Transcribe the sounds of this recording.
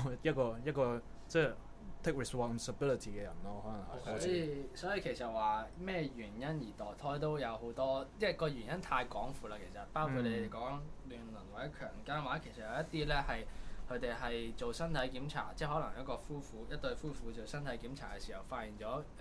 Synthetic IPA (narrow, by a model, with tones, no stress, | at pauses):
jɐ˥t̚kɔː˧jɐ˥t̚kɔː˧ | t͡sɛː˥˩ | t̪ʰɪ˥k̚ɹɛ˨spɔ˨nsə˨bi˥li˨t̪ʰi˨˩kɛ˧jɐ̰˨˩nɔː˥hɔː˨˥lɐ˨˩ŋɦɐ̰˨sɔː˨˥ji˧sɔː˨˥jiː˧kʰe˨˩jsɐ˨t̚waː˨mɛː˥˩ɥyː˨˩njɐ˥njiː˨˩t̪ɔː˨jt̪ʰɔː˥jt̪o˥wjɐ˨˧wɦo˨˥wt̪ɔː˥t͡sɛː˥˩kɔː˧ɥyː˨˩njɐ˥nt̪ʰaː˧jkɔː˨˥ŋfuː˨˧laː˧kʰe˨˩sɐ˨t̚paː˥wkʰu˧t̚le˨˧˥d̪e˨˩kɔː˨˥ŋŋ˥lyː˨˩nlɐ˨˩nwaː˨˩ɛ˨˥kʰœː˨˩ŋkaː˥nwaː˨˥kʰe˨˩sɐ˨jɐ˧jɐ˥t̪ːiː˥lɛː˥hɐ˨jkʰɵ˧ɥt̪e˨jɦɐ˨jt͡ʃo˨wsɐ˥nt̪ʰɐ˨˥jkiː˨˥mt͡sʰa̰ː˨˩t͡sɛː˥˩ɦɔ˨˥lɐ˨˩ŋjɐ˥kɔː˧fuː˥fuː˨˥jɐ˥t̚t̪ɵ˧ɥfuː˥fu˨˧˥t͡so˨˩wsɐ˥nt̪ʰɐ˨˥jkiː˨˥mt͡sʰaː˨˩kɛː˧siː˨˩hɐ˨˩wfaː˧t̚jiː˨˩nt͡ʃɔː˨˥